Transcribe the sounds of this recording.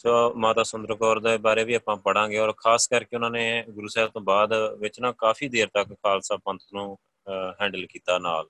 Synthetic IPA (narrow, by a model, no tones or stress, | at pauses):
soːmaːt̪aːsʊnd̪əɾkɔːɾd̪eːbaːɾeːʋiːaːpãːpəɽãːɡeːɔːɾkʰaːskəɾkeʊnãːneːɡʊɾuːsɛːt̪õːbaːd̪ʋɪt͡ʃnãːkaːfʰiːd̪eːɾt̪əkːaːlsaːpə̃nt̪ʰnũː | ɦɛ̃ːɳɖəlkiːt̪aːnaːl